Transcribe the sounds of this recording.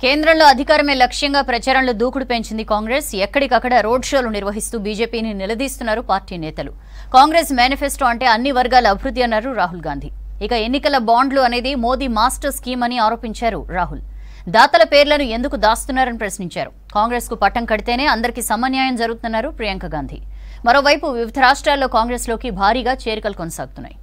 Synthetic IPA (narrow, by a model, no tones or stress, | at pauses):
ke̞ːnd̪ɾɐmlo̞ːɐd̪ʱikaːɾɐme̞ːlɐkʂjɐŋɡaːpɾɐt͡ʃaːɾɐnlod̪uːkuɽupe̞ɲt͡ʃind̪ikaːŋɡɾe̞ːsɛkːɐɽikɐkːɐɽɐɾo̞ːɖʂo̞ːluniɾʋɐɦist̪uːbiːd͡ʒe̞ːpiːninilɐd̪iːst̪unːaːɾupaːɾʈiːnɛːt̪ɐlṵ | kaːŋɡɾesmjaːnipʰesʈuɐɳʈeːɐnːiʋɐɾɡaːlɐɐbʱiɾud̪ːiɐnːaːɾuɾaːɦulɡaːnd̪ʱi | ikɐe̞nːikɐlɐbaːɳɖluɐne̞ːd̪imo̞ːd̪iːmaːsʈɐɾskiːmɐniaːɾo̞ːpiɲt͡ʃaːɾṵɾaːɦul | d̪aːt̪ɐlɐpe̞ːɾlɐnue̞nd̪ukud̪aːst̪unːaːɾɐnipɾɐsniɲt͡ʃa̰ːɾṵ | kaːŋɡɾe̞ːskupɐʈːɐŋkɐɽit̪e̞ːne̞ːɐnd̪ɐɾikisɐmɐnjaːjɐmd͡ʒɐɾuɡut̪ːnːaːɾupɾijɐŋkɐɡaːnd̪ʱḭ | mɐɾo̞ːʋɐjpuʋjuʋid̪ʱɐɾaːʂʈɾaːlːo̞ːkaːŋɡɾe̞ːslo̞ːkibʱaːɾiːɡaːt͡ʃe̞ːɾikɐlukonɐsa̰ːɡut̪unːa̰ːj